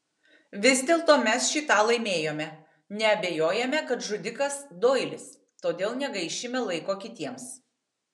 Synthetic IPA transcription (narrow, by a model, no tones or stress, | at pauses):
ʋʲɪzd̪ʲeːlˠt̪oːmʲɛsʃʲit̪ɑːlˠɐɪmʲeːjoːmʲɛ | nʲɛɐbʲeːjoːjɛmʲɛkɐt̪ʒʊd̪ʲɪkɐsd̪oːɪlʲɪs | t̪oːd̪ʲeːlˠnʲɛɡɐɪʃʲɪmʲɛlˠɐɪkoːkʲɪt̪ʲiɛms